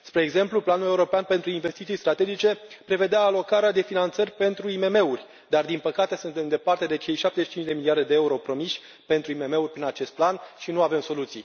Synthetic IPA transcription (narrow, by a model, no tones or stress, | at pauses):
spɾe̞ːɡze̞mpluplanule̞uɾo̞peanpe̞nt̪ɾuinve̞st̪it̪ijst̪ɾat̪e̞d͡ʒit͡ʃe̞pɾe̞ve̞d̪eaːlo̞kaɾead̪e̞finant̪sərʲpe̞nt̪ɾuime̞me̞urʲ | d̪ard̪inpəkat̪e̞sunt̪e̞md̪e̞part̪e̞d̪e̞t͡ʃe̞jʃap̚t̪ezeʃit͡ʃint͡ʃd̪e̞miliard̪e̞d̪eeuɾo̞pɾo̞miʃʲ | pe̞nt̪ɾuime̞me̞urʲpɾinat͡ʃe̞st̪̚planʃinuave̞mso̞lut̪si